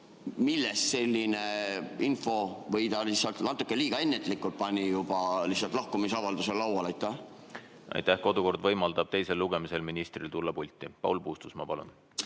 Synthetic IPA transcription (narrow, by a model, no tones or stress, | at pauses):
milːɛst̪se̞lʲːineinfo̞vɤjd̪ɑlihsːɑlt̪nɑt̪ːˑukːˑeliːɡ̥ɑe̞nːet̪ˑlikːˑult̪̚pɑnʲijub̥ɑlihsɑlt̪lɑhkumisɑvɑld̪uselːɑwɑlɑjt̪ːæ | ɑ̰jt̪ːæhko̞d̪̥uko̞rd̪vɤjmɑld̪̥ɑb̥t̪e̞jse̞lːuɡ̥e̞mise̞lminist̪rilt̪ulːɑpulʲt̪ːˑipɑ̰wlpuːst̪usmɑpɑlṵn